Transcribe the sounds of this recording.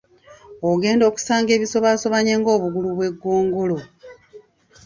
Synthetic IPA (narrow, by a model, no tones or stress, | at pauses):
oɡe̞ːndo̞ːku̥saːŋɡe̞ːβiso̞βaso̞βaɲeːŋɡo̞ːβuɡuluβwe̞ɡːoːŋɡo̞lo̞